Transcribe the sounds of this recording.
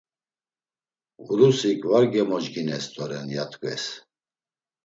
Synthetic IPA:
ɣuɾusikʼvaɾɡɛmɔd͡ʒɡinɛst̪ʼɔɾɛnjat̪ʼkʼɛ̰s

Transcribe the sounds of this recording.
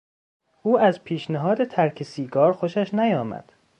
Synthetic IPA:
ʔuːæzpʰiːʃnæɦɒːd̪et̪ʰæɾkʰesiːɡɒːɾxoʃæʃnæjɒːmæ̰d̪̥

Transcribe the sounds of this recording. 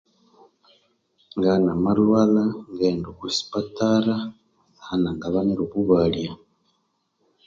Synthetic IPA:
ŋɡanamaɾwalaŋɡendukusi̥pataɾa | anaŋɡaβaniɾuβuβalja

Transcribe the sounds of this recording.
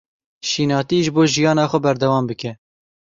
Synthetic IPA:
ʃiːnɑːt̪iːʒɨboːʒijɑːnɑːxʷɛbɛɾd̪ɛwɑːmbɨkɛ

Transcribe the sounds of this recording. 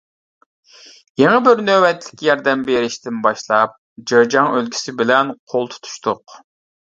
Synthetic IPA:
jeŋəbɪɾnøwɛt̪ʰlɪ̥kʲjɑɾd̪ɛmbeɾɪʃt̪ɪnbɑʃlˠɑp̚ | d͡ʒəɾd͡ʒɑŋølɡʲi̥sɪbɪlɛnqʰolˠt̪ʰu̥t̪ʰu̥ʃt̪ʰʊq

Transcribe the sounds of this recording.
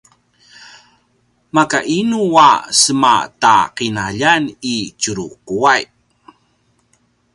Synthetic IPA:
makaʔinuwa̰səma̰ta̰qinaʎanit͡ɕuɾuquaj

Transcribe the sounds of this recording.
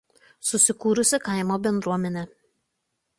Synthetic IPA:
sʊsʲɪkuːɾʊsʲɪkɑˑɪmoːbʲɛnd̪ɾuɔmʲɛnʲɛ

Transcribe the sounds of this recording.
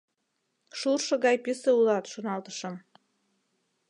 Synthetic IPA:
ʃurʃɤ̆ɡɑjpiseulˠɑt̪ʃunɑlt̪əʃə̆m

